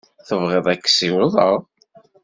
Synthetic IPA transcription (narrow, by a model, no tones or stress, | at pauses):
θəvʁeðˤækːsiwʊðˤəʁ